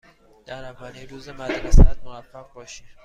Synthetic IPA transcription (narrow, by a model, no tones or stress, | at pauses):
d̪̥æɾævæːniːɾuːzemæd̪ɾesæd̪movæfːæʁbɒːʃi